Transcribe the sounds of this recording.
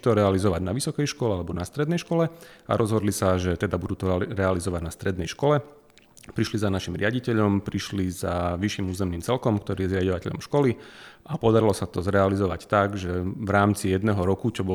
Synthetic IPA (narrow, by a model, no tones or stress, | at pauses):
t̪ɔɾɛalizɔʋaɟnaʋisɔkɛjʃkɔlɛalɛbɔnast̪ɾɛd̪nɛjʃkɔlɛa̰ɾʔɔzɦɔd̪lisaʒɛt̪ɛd̪abud̪uːt̪ɔɾɛalizɔʋaɟnast̪ɾɛd̪nɛjʃkɔlɛ | pɾiʃlizanaʃimɾɪaɟicɛʎɔmpɾiʃlizaʋiʃimuːzɛmniːmt͡sɛlkɔmkt̪ɔɾiːjɛzɾɪaɟɔʋacɛʎɔ̰mʃkɔliʔapɔd̪aɾilɔsat̪ɔzɾɛalizɔʋa̰ct̪aɡʒɛʋɾaːmt͡sijɛd̪nɛɦɔɾɔkut͡ʃɔbɔ